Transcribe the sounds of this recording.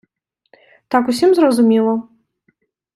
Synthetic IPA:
t̪akusʲimzɾɐzumʲɛlˠɐ

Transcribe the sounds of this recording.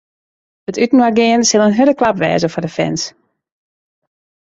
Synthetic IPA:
ətytn̩waɡɪənsɪlˠənɦødəklapʋɛ̰ːzəfɔdəfɛ̰ns

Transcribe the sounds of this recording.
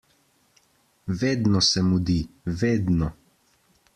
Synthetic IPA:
ʋeːd̪nɔsɛmud̪iʋeːd̪nɔ

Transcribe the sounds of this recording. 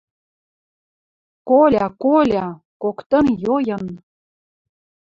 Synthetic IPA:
kolʲɑkolʲɑ | kokt̪ɤ̆njojɤ̆n

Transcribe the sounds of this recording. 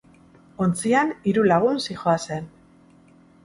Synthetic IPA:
o̞nt͡sianiɾulaɣ̞unsixoase̞n

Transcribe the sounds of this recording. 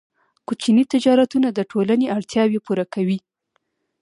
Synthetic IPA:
kut͡ʃinit̪ɪd͡ʒɑɾat̪unad̪əʈʰolaneaɽt̪jɑwepuɾakawi

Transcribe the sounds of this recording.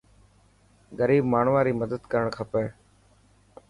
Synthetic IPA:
ɡəɾiːbmaːɳ̤ʋaːɾiːməd̪əd̪kəɾəɳkʰəpeː

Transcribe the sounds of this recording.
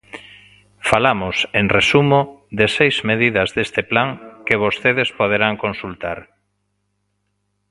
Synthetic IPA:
falamoseŋresumod̪esejzmeðiðɐzðest̪eplaŋkeβ̞ost̪eð̞espoð̞eɾaŋkonsult̪aɾ

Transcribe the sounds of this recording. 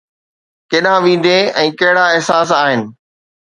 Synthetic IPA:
keːɗãʋĩːn̆d̪ʱeɛ̃ːkɐɦɪɽaɪɦsaːs̬aːɦɪnɪ̆

